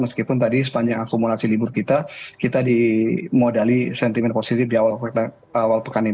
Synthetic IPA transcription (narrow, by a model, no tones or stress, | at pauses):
məskipʊnt̪̬adis̬ə̥paɲd͡ʒaŋakumulasilibʊrkit̪akit̪adimodalisɛnt̪imɛnposit̪ɪfdiawal | awalpəkani